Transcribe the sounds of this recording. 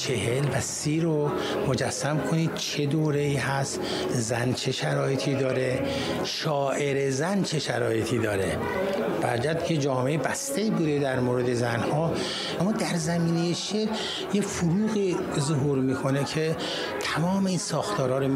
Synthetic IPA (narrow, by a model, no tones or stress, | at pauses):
t͡ʃʰeɦelvæsiːɾo | mod͡ʒæsːæmkʰoniːd̪̥̚t͡ʃʰe̞d̪oːɾe̞iːɦæst̪ | zænt͡ʃʰe̞ʃæɾɒːjet̪ʰiːd̪ɒːɾe̞ | ʃɒːʔe̞ɾezænt͡ʃʰe̞ʃæɾɒːje̞t̪ʰiːd̪ɒːɾe | b̥æ̰ɾd͡ʒæd̪̚kʰed͡ʒɒːmeebæst̪ʰeiːbud̪ed̪æɾmoːɾe̞d̪e̞zænhɒː | æmːɒːd̪æɾzæmiːnejeʃeɾ | jefoɾuːɣiː | zoɦuɾmiːkʰonekʰe | t̪ʰæmɒːme̞iːnsɒːxt̪ʰɒːɾɒːɾo